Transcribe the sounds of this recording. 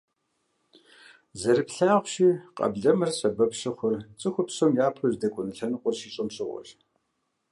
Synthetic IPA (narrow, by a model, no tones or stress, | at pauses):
zɐɾɨpɬaːʁʷʊʃiːqʼɐ̰bɮɐmɨrɕɐbɐpʂɐχʷɔrt͡sʼɨxʷʊpsomjaːpʰɐzdɐkʷʼʊnɨɬɐnɨqʷʼɔrʃiːɕʼɪmɕʼɨʁʷʊ̰ʃ